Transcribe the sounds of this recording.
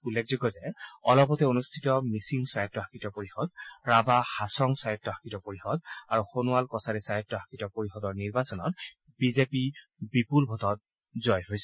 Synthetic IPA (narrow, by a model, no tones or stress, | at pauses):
ulːek̚ʰzɔɡɔzɛɔlɔpɔtɛonustʰitɔmisiŋsajɔtːɔɦakitɔpoɹixɔd̚ɹabahasɔŋsajɔtːɔɦakitɔpoɹixɔd̪aɹuxonuwalkɔsaɾɛsajɔtːɔɦakitɔpoɹixɔdɔɹniɹbasɔnɔ̰t | bizepi | bipulbʱɔtɔt̚ | zɔjɦojsɛ